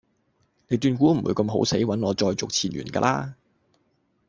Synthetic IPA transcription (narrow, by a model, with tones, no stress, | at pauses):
ne˨˧jt̪yː˧nkuː˨˥m̩˨˩wṵː˨˧jkɐ˧mɦo˨˥wse˨˥jwɐ˨˥nɔː˨˧t͡sɔː˧jt͡sʊ˨k̚t͡sʰiː˨˩nɥy̰ː˨˩nka̰ː˧la̰ː˥